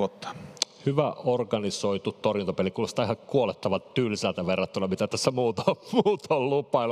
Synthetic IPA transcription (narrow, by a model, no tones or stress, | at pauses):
ot̪ːɑ̥hyʋæorɡɑnisoit̪utt̪orjunt̪opelikuːlost̪ɑihɑkuolet̪ːɑʋɑtt̪yːlisælt̪æʋerːɑt̪ːulːɑmit̪æt̪æsːæmuːt̪muːt̪ollupˑɑil